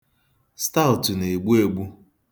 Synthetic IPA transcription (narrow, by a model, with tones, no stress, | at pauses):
sta˦ʊ˨tʊ˨ne˨ɡ͡bu˦e˨ɡ͡bu˦